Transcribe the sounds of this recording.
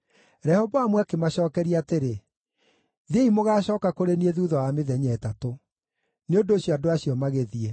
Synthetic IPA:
ɾɛhɔvɔamwakemaɕɔːkɛɾiateɾe | ðeimoɣaːɕɔːkakoɾenieðuðɔwameðɛɲɛːtato | neondoːɕjɔadoaɕiɔmaɣeðie

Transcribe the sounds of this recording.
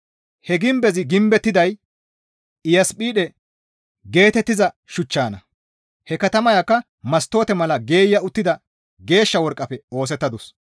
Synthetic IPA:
hɛɡɪmbɛzɪɡɪmbɛt̪ːɪd̪ɐj | ɪjɐspʼiːɗɛ | ɡe̞ːt̪ɛt̪ːɪzɐ | ʃʊt͡ʃːaːnɐ | hɛkɐt̪ɐmɐjakːɐ | mɐst̪ːo̞ːt̪ɛmɐlɐɡe̞ːjːɐʊt̪ːɪd̪ɐ | ɡe̞ːʃːɐwɔɾkʼːɐpɛo̞ːs̬ɛt̪ːɐd̪ɔs

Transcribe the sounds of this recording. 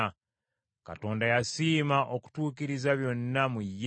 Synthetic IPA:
ka̰to̞ːndajasiːmaʔoku̥tuːkiɾizaβjo̞nːamujːe

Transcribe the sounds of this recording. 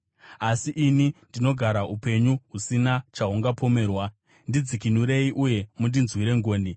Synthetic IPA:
asiʔiːnindino̞ɡʱaɾaupe̞ɲuɦusinat͡ʃaɦuŋɡapʰo̞me̞ːrwa | ndid͡zikinuɾe̞iʔuje̞mundinzwiɾe̞ŋɡo̞ːni

